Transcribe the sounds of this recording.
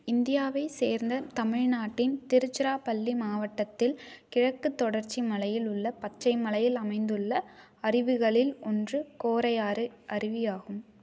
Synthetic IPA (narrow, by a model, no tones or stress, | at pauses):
ɪnd̪ɪjaːʋɐɪseːɾnd̪ɐt̪ɐmɪɻnaːʈːɪnt̪ɪɾɯt͡ʃːɪɾaːpɐlːimaːʋɐʈːɐt̪ːɪlkɪɻɐkːɯt̪ːɔɽɐɾt͡ʃimɐlɐjɪlʊɭːɐpɐt͡ʃːɐɪmɐlɐjɪlɐmɐɪnd̪ɯɭːɐ | ɐrɪʋɯɣɐɭɪlɔndrɯkoːɾɐjaːɾɯʔɐrɪʋɪjaːɣɯm